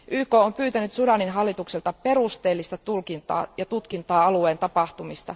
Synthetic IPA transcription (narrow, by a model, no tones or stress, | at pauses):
ʔyːkoːompyːt̪ænyt̪sudɑninɦɑlːit̪ukselt̪ɑpe̞rust̪e̞ːlːist̪ɑt̪ulkint̪ɑ̰ːjɑt̪ut̪kint̪ɑːɑlueːnt̪ɑpɑht̪umist̪ɑ̰